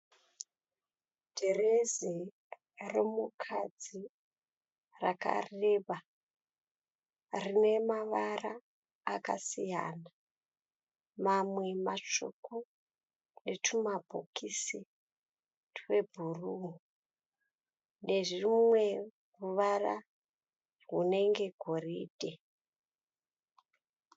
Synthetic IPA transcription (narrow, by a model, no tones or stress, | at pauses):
d̥ʱerezi | remukʰad͡zi | raka̰reːʋa | rine̞maʋaraː | kasija̰ːna | mamwe̞mat͡ʃoko | ne̞tʰumabʱo̰kʰisi | twebʱuruːŋu | ne̞ʐimwe̞ | ruʋara | rune̞ŋɡe̞ɡʱo̞riːd̥ʱe̞